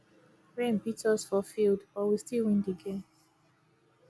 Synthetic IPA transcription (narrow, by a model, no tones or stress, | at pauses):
ɹẽmpitʰɔsfɔfilˠdbɔwistilˠwĩndiɡẽn